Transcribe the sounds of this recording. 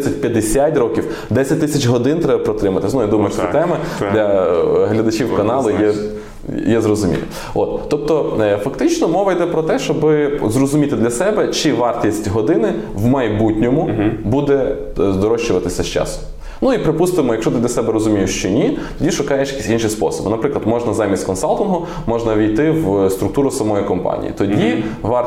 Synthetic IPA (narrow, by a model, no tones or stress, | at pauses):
ɛsʲɐtʲpʲjɐd̪esʲjatʲrɔkʲiw | d̪ɛsʲɐt̚ʲt̪ɪsʲɐt͡ʃɦɔd̪ɪnt̪ɾɛbɐpɾɔt̪ɾɪmɐt̪ɪsnuid̪umɐjʊʃɛt̪ɛmɛd̪lʲɐɦlʲɐd̪ɐt͡ʃiwkɐnɑlˠʊjɛ | jɛzrɔzʊmʲḭlʲḭ | ot̪ːɔp̚t̪ɔfɐkt̪ɪt͡ʃnɔmɔʋɐjd̪ɛpɾɔt̪ɛʃt͡ʃɔbɪzɾɔzʊmʲit̪ɪd̪lʲɐsɛbɛt͡ʃɪʋɑrt̪ʲisʲtʲɦɔd̪ɪnɪ | ʋmɐjbutʲnʲɔmʊbud̪ɛ | zd̪ɔɾɔʃt͡ʃʊʋɐt̪ɪsʲɐʃt͡ʃɑ̰sʊ̥ | nuipɾɪpust̪ɪmɔjɐkʃɔt̪ɪd̪lʲɐsɛbɛɾɔzʊmʲijʊʃt͡ʃɔnʲit̪ɔdʲiʃʊkɑjeʃjɐ̥kʲisʲinʃispɔ̰sɔbɪnɐpɾɪklˠɐd̪mɔʒnɐzɑmʲist̪ʲkɔnsɑlˠt̪ʊnɦɔ | mɔʒnɐʋʲijt̪ɪwst̪ɾʊkt̪uɾʊsɐmɔjikɔmpɑ̰nʲḭjḭt̪ɔdʲiʋɑ